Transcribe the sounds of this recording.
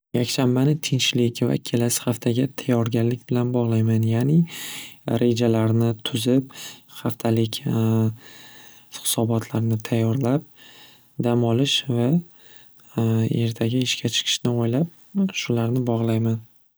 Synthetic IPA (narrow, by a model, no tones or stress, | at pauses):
jakʲʃambanɪt̪ʰɪnt͡ʃlɪkʲva̰kʲʰe̞lasɪ̥χaft̪ʰaɡʲat̪ʰajɒɾɡʲanlɪkʲbɪlanbɒʁlˠajmanjaːnɪ | ɾʔe̞d͡ʒalaɾnɪt̪ʰʊzɪp̚χaft̪ʰalɪkʲ | χɪ̥sɒbɒt̪ʰlaɾnɪt̪ʰajːɒɾlap̚ | d̪amɒlɪʃva | e̞ɾt̪ʰaɡʲaɪʃkʲʰat͡ʃʰɨ̥qʰɨ̥ʃnɪojlap̚ | ʃʊlaɾnɪbɒʁlˠajman